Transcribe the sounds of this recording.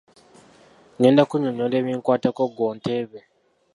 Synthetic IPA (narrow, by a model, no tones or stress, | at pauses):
ŋendakuɲoɲɔleβiŋkwatakoɡontʰeβe